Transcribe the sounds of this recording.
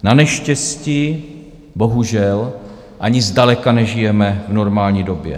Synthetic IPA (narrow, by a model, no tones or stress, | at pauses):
nanɛʃcɛsci | bo̞ɦuʒɛl | ʔaɲɪzdalɛkanɛʒɪjɛmɛvno̞ɾmaːlɲiːdo̞bjɛ̰